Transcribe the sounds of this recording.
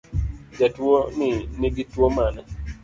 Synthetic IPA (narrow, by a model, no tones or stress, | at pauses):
d͡ʒatwonɪnɪɡɪtwomana